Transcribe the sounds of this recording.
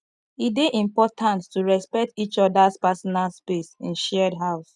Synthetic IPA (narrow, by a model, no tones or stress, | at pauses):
ideʔĩmpɔtʰãntːuɹɛspɛk̚tit͡ʃɔdaspasɔnalspesḭ̃nʃɛdɦaʊs